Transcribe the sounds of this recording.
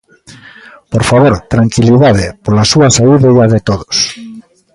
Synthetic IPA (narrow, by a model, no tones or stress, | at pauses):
poɾfaβoɾt̪ɾaŋkiliðaðepolasuasaiðeiaðet̪oðos